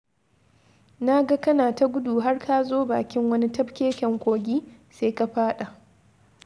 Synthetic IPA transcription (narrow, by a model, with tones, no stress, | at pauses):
na˦ɡa˦kɐ˦naː˨ta˦ɡʷʊ˦duː˨ɦa˦rkʰa˦zoː˦baː˨kʲɪ˦ŋwɐ˦ni˦tɐ˦ɸkʲeː˦kʲɛ˨ŋkʷoː˨ɡʲiː˦ | seː˦ka˨ɸaː˦ɗa˨ʔ